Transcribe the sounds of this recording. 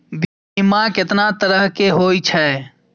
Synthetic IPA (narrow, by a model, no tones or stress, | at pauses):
bi | imãket̪nat̪əɾəɦkeɦojt͡ʃʰɛ